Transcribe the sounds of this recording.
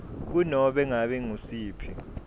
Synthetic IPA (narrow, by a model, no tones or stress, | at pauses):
k̬unɔɓɛŋaɓɛŋusiːpʰɛ